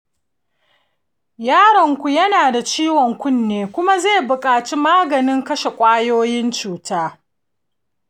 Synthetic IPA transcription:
jaː˦ɽɐ˨ŋkʷu˨jɐ˦naː˨da˨t͡ʃiː˦wɔ˨ŋkʷʊ˦nːeː˨kʷʊ˦ma˦zeː˦˨bʊ˨kʼaː˨t͡ʃi˦maː˦ɡɐ˨nɪ˦ŋkɐ˦ʃe˨kʷʼaː˦joː˦jɪ˦nt͡ʃuː˨taː˦

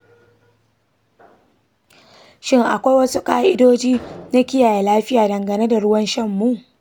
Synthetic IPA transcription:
ʃɪ˦ŋʔa˨kʷa˦jwɐ˦su˦kaː˦ʔɪ˦doː˦d͡ʒiː˦na˦kʲɪ˦jaː˨je˨laː˦ɸɪ˦jaː˨dɐ˨ŋɡɐ˨ne˦da˨ɽʊ˦wɐ˦nʃɐ˦˨mːu˦˨ʔ

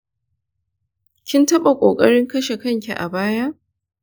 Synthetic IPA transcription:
kʲɪ˦ntɐ˦ɓa˨kʷʼoː˨kʼɐ̰˦ɽɪ˦ŋkɐ˦ʃe˨kɐ˦ŋkʲi˨ʔa̰˨baː˦ja˦ʔ

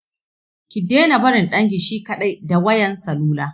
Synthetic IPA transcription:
kʲɪ˨deː˦na˨bɐ˦ɾɪ˨nɗɐ˦ŋɡʲɪ˨ʃiː˦kɐ˨ɗa˦jda˨wɐ˦jɛ˨nsɐ˨luː˦laː˦

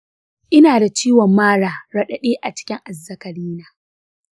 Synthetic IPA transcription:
ʔɪ˦naː˨da˨t͡ʃiː˦wɔ˨mːaː˦ɽaː˨ɽɐ˦ɗɐ˨ɗeː˦ʔa˨t͡ʃɪ̥˦kʲɪ˦ŋʔa˨zːɐ˦kɐ˨ɽiː˦naː˦

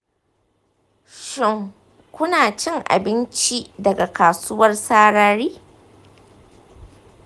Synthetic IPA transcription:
ʃɪ˦ŋ | kʷʊ˦naː˨t͡ʃɪ˦ŋʔa̰˨bɪ˦nt͡ʃi˦dɐ˨ɡa˨kaː˨sʊ˦wɐ˦rsaː˦ɽaː˦ɾiː˦

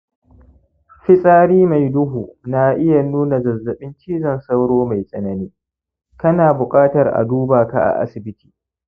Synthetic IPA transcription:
ɸɪ˦sʼaː˦ɽiː˦ma˨jdʊ˦ɦu˨na˦ʔɪ˦ja˨nuː˦na˨zɐ˨zːɐ˨ɓɪ˦nt͡ʃiː˦zɐ˦˨nsa˦wɽoː˦ma˨jsʼɐ˨nɐ˦niː˦ | kɐ˦naː˨bʊ˨kʼaː˦tɐ˨rʔa̰˨duː˦baː˨ka̰˨ʔa̰˨ʔa̰˦sɪ˨bɪ˦ti̥ː˨

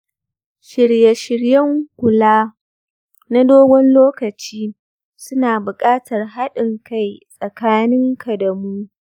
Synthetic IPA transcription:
ʃɪ˨ɽja˨ʃɪ˨ɽjɐ˦ŋɡʷʊ˨laː˦ | na˦doː˦ɡʷɔ˦nloː˦kɐ˨t͡ʃiː˦ | sʊ˦naː˨bʊ˨kʼaː˦tɐ˨rɦa˦ɗɪ˨ŋka˦˨jsʼɐ˨kaː˦nɪ˦ŋkʰa˨dɐ˨mu˦

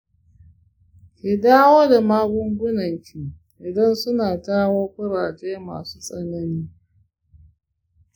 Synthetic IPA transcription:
kʲɪ˨daː˦woː˦da˨maː˦ɡʷʊ˦ŋɡʷʊ˦nɐ˨ŋkʲiː˨ | ʔɪ˨dɐ˦nsʊ˦naː˨taː˦woː˦kʷʊ˦ɽaː˨t͡ʃeː˦ma̰ː˨su̥ː˦sʼɐ˦nɐ˦niː˦

